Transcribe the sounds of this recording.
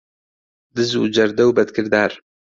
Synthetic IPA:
d̪ɨzṵd͡ʒɐɾd̪ɐwbɐd̪kʰɨɾd̪aːɾ

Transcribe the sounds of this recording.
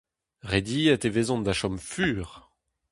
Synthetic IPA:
ʁed̪iɛt̪evezɔ̃d̪aʃɔmfyːʁ

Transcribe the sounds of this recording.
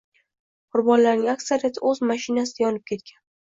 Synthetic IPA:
qʰʊɾbɒnlaɾnɪŋakʲsaɾijat̪ʰɪɵzmaʃɪnasɪ̥ajɒnɪp̚kʲʰe̞t̪kʲʰan

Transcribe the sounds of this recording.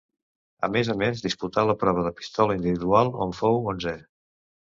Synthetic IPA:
ə̰mezəmezðisput̪aləpɾɔβ̞əðəpi̥st̪ɔləind̪iβiðualˠoɱfowonzɛ

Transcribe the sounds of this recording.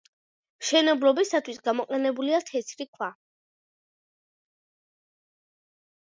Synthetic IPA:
ʃɛnɛbɾɔbisat̪ʰwisɡamɔqʼɛnɛbuliat̪ʰɛt̪sʰɾikʰwa

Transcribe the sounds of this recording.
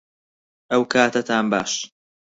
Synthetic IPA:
ʔɐwkʰaːt̪ɐt̪ʰaːnbaːʃ

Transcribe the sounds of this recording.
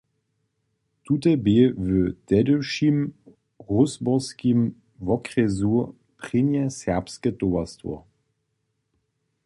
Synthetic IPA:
tutɛbevətɛdəʃim | ʁʊsbɔskim | vɔkʁɛzu | pʁ̥ɪnjɛsɛʁpskətovastvɔ̰

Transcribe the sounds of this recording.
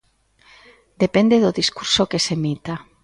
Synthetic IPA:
d̪epend̪eðʊðiskuɾsokesemit̪a

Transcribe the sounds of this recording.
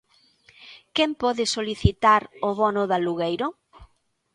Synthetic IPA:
kɛmpɔðɪsoliθit̪aɾoβɔnʊðaluɣejɾʊ

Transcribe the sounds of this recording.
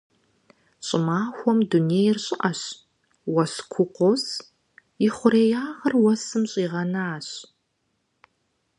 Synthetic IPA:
ɕʼɪmaːxʷɔmduneːjɪrɕʼɪʔɐɕ | wɐskʷʰʊqʷɔs | jɪχʷʊɾeːjaːʁɐrwɐsɨmɕʼiːʁɐnaaːɕ

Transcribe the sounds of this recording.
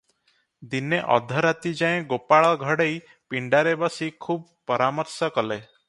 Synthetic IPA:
d̪ineʔɔ̰d̪ʱɔɾat̪id͡ʒaẽɡopaɭɔɡʱɔɽej | piɳɖaɾebɔsikʰub̚ | pɔɾamɔɾsɔkɔle

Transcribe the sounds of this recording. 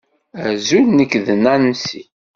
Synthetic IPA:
æzulnəkːðənænsi

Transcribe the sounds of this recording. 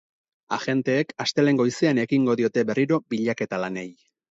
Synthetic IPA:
aʝe̞nt̪e̞ːkast̪e̞le̞ŋɡo̞jiseane̞kiŋɡo̞ðio̞t̪e̞βe̞riɾo̞biʎake̞t̪alane̞j

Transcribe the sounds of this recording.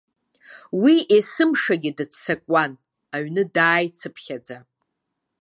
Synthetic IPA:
wiʔesɨmʂaɡʲɪdɨtsakʷʼan | aɥnɨdaːjt͡sʰɨpʰχʲad͡za

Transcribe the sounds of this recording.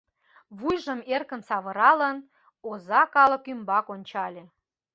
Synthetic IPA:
βujʒə̆merkə̆nsɑβɤ̆ɾɑlə̆n | ozɑkɑlɤ̆kymbɑkonʲt͡ɕɑlʲe

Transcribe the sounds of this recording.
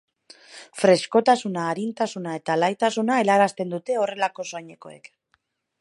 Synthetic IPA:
fɾe̞sko̞t̪asunaːɾint̪asunae̞t̪alajt̪asunae̞laɾast̪e̞nd̪ut̪e̞o̞re̞lako̞so̞jɲe̞ko̞̰e̞̰k

